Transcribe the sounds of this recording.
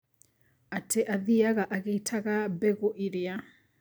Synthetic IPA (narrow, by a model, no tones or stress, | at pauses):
atʰeʔaðiaɣaʔaɣeitʰaɣabɛɣoʔiɾea